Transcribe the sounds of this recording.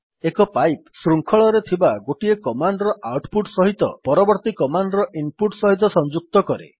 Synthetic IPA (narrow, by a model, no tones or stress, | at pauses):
ekɔpajpsɾuŋkʰɔɭɔɾet̪ʰibaɡoʈiekɔmaɳɖɾɔʔawʈpuʈsɔɦit̪ɔ̰pɔɾɔbɔɾt̪ikɔmaɳɖɾɔʔimpuʈsɔɦit̪̬ɔsɔnd͡ʒuk̚t̪ɔkɔɾḛ